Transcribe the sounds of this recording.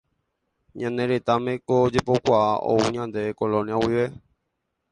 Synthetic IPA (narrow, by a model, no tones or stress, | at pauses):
ɲãneɾet̪amẽkod͡ʒepokʷaaʔo̰uɲãnd̪ekolõnjawiʋe